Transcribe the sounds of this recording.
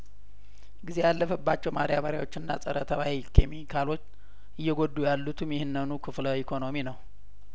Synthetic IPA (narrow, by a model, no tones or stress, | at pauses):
ɡize̞jalːəfəbːat͡ʃːɛwmaɾijaβəɾja̰wo̞t͡ʃːɪnːa̰sʼəɾət̪ʰəβawikʰemikʰalo̞t͡ʃː | ʔɨjːɛɡod̪ujalːut̪ʰɨmjɛhɨnːɨnukʰɨfləwikʰo̞no̞minəw